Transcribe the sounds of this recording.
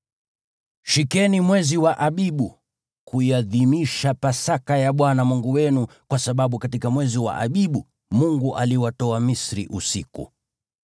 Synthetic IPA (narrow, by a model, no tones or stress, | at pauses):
ʃikɛnimwɛziwaʔaɓiɓu | kuiaðimiʃapasakajaɓwanamuŋɡuwɛnukwasaɓaɓukatikamwɛziwa̰ʔa̰ɓiɓu | muŋɡuʔaliwatɔamisɾḭʔusikṵ